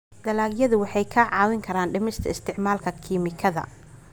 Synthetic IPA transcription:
d̪ɐlaːɡjɐðʊwɑħɑjkʰaːʕɑːwɪŋkʰɐɾaːnɖɪmɪst̪ʰɐɪst̪ʰɪʕmaːlkʰɐkʰiːmɪkʰɐðɐ̰

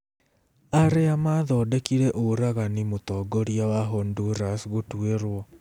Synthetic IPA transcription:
aɾeamaðɔːdɛkiɾɛʔoɾaɣanimotɔːɡɔɾiawaɦɔnduɾasɣotweɾwɔ

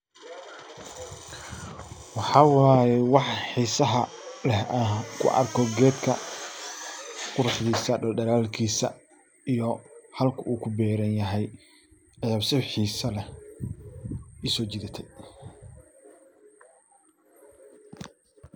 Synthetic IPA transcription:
wɑħɑːwɑːjɛwɑħħiːsɐɦɐ | lɛhɐkʰʊ̰ʔɐ̰rkʰɔɡɛːd̪kʰɐ | qʊɾʊħðiːsɐɖɐlɖɐɾaːlkʰiːsɐ̰ | ijɔhɐlkʰɐʔuːkʰʊbɛːɾɐnjɐɦɛj | ɐjaːbsɪβħiːsɐlɛ | ɪsɔːt͡ʃɪðɐt̪ʰɛj

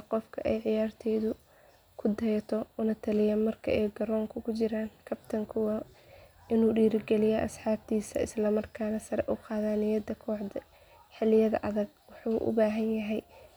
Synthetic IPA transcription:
qɔfkʰɐʔɛjʕɪjaːrt̪ʰɛːðʊ | kʰʊd̪ɛjt̪ʰɔʊnɐt̪ʰɐlɪjɐmɐrkʰɐ̰ʔɛjɡɐɾɔːŋkʰʊkʰʊt͡ʃɪɾaːnkʰɐbt̪ʰɐŋkʰʊwɐ | ʔɪnuːɖiːɾɪɡɛlɪjɛʔɐ̰sħɑːb̚t̪ʰiːsɐ̰ɪ̰slɐmɐrkʰaːnɐsɐɾɛ̰ʔuqɑːðaːnɪjɐd̪ɐkʰɔːʕd̪ɐ | ħɪlɪjɐðɐ̰ʔɐðɐɡ̚ | wɑħuːʔʊ̰baːɦɐnjɐɦɛj

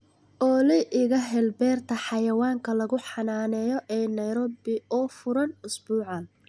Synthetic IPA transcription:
ʔɔːlɪʔɪɣɐɦɛlbɛːrt̪ʰɐħɑjɐwaːŋkʰɐlɐɣʊħɑnaːnɛːjɔʔɛːnɐjɾɔːbɪɔːfʊɾɐnʊsbuːʕɑn

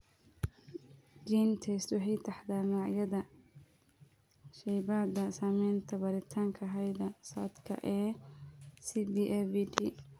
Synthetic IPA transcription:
d͡ʒiːnt̪ʰɛst̪wɑħɑjt̪ʰɐħd̪aːnɔːʕjɐðɐ | ʃɛjbaːd̪ɐsaːmɛjnt̪ʰɐbɐɾɪt̪ʰaːŋkʰɐɦɛjd̪ɐsa̰ːd̪kʰɐ̰ʔɛː | sibiʔɛbidi

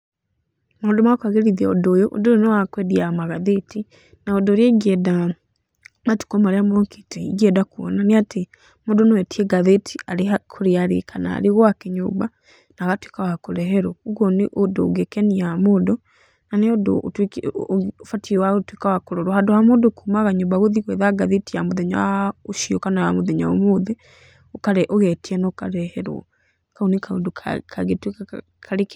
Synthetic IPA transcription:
moːdɔmakaɣeɾiðɛodojoʔo̰dojonowakwɛðiamaɣaðeti | naodoɾjɛiɣɛda | matu̥kɔmaɾeamɔki̥tɛiɣɛdakuɔ̰naneate | moːdonewɛtʰiɛɡaðetʰiaɾehakʰoɾeaɾḛkʰana̰ːɾeɣoakeɲo̰ːba | naɣatwekawakoɾɛɦɛɾɔuɣɔneʔodo̰ɡekɛniamoːdɔ | naneodot | fatiwatwikawakoɾoɾohadohamodokumaɣaɲobaɣoðiɣwɛðaɡaðetijamoðeɲa̰oʃiokanawamoðeɲa̰omoðe | okaɾeʔoɣɛtiɛnokaɾɛheɾw̰ | kaunikaudokʰaɡetwk | kʰaɾik

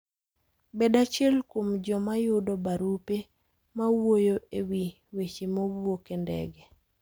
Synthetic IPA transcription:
bɛdat͡ʃɛlkwomd͡ʒɔmajʊdɔbaɾupe | mawojoʔewi | wet͡ʃimobokendɛ̰ɡɛ

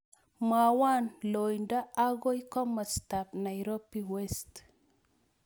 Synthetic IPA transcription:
mawanlojndaaɡoikɔmastapnajɾopːiwest

